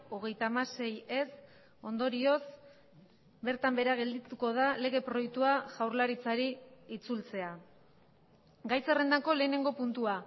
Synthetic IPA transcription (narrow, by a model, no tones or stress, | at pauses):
o̞ɣ̞e̞jt̪amase̞je̞s | o̞nd̪o̞ɾio̞s | be̞ɾt̪ambe̞ɾaɣ̞e̞ld̪it̪uko̞ð̞ale̞ɣ̞e̞pɾo̞jekt̪uaʝawɾlaɾit͡saɾiːt͡sult͡se̞a | ɡajsere̞nd̪ako̞le̞ːne̞ŋɡo̞punt̪ua